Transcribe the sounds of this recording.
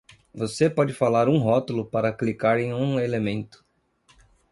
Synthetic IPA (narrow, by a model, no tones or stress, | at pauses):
vosepɔd͡ʒɪfalaɾũɦɔt̪ʊlʊpaɾɐklikaɾẽj̃ũelemẽnt̪ʊ̥